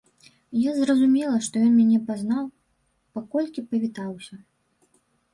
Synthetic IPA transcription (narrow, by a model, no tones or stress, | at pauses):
jazrɐzumʲɛlˠɐʂt̪ɔjɔnmʲanʲɛpaznaw | pakɔlʲkʲipɐvʲit̪awsʲɐ